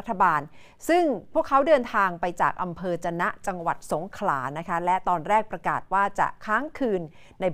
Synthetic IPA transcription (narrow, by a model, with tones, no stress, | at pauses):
t̪ʰːa˧baː˧n | sɯ˥˩ŋpʰu˥˩əkʰːa˦˥wdɤː˧nt̪ʰaː˧ŋpa˧jt͡ɕaː˨˩k̚ʔa˧mpʰɤː˧t͡ɕa˧na˦˥ʔt͡ɕa˧ŋwa̰˨˩t̪̚so˩˦ŋkʰla̰ː˩˦na˦˥kʰa˦˥lɛ˦˥t̪ɔː˧nɾɛː˥˩k̚pɾa˧kaː˨˩t̪̚waː˥˩t͡ɕa̰˨˩ʔkʰaː˦˥ŋkʰɯː˧nː | a˧j